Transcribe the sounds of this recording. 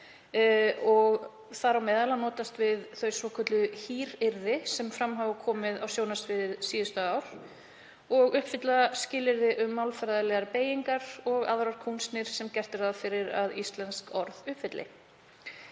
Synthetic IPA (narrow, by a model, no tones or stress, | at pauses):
ɔɣ | θaɾawmɛːðalanɔːt̪ast̪vɪðθœɥsvɔːkʰœt̪lʏhiːɾɪɾðɪsɛmfɾamɦaːvʏkʰɔːmɪðawsjownasvɪðɪðsiːðʏst̪aaːwɾ̥ | ɔɣʏhpfɪt̪lascɪːlɪɾðɪʔʏmːalfaɾaðalɛɣaɾpeːjiŋkaɾɔɣa̰ðɾaɾ̥kʰuwnst̪nɪɾ̥sɛmcɛr̥t̪ɪɾ̥θaðfɪɾɪɾa̰ðist̪lɛnskɔɾðʏhpfɪt̪lɪ̰